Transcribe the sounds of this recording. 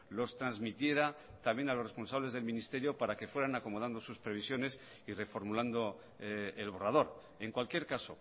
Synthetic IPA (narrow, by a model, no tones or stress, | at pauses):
lo̞st̪ɾanzmit̪je̞ɾat̪amje̞nalo̞srespo̞nsaβ̞le̞zðe̞lmĩnist̪e̞ɾjo̞paɾake̞fweɾanako̞mo̞ð̞and̪o̞suspɾe̞β̞isjo̞ne̞s | ire̞fo̞ɾmuland̪o̞ | elβ̞o̞rað̞o̞ɾ | e̞ŋkwalkje̞ɾkaso̞